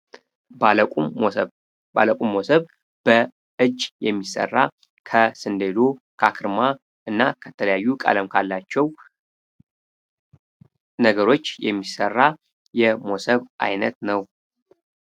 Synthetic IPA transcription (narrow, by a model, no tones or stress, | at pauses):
balkʼ | ba̰ləkʼumːosəβ | b̥ə | ɨd͡ʒjɛmːisə̰rːa | kʰəsɨnd̪ed̪o̞kʰakʰɨɾma | ʔɨnːakʰət̪ʰələjajːukʼa̰ləmkʰalːat͡ʃːɛw | nəɡəɾo̞t͡ʃːjɛ̰mːisərːa | jɛmo̞səβʔa̰jnət̪nəw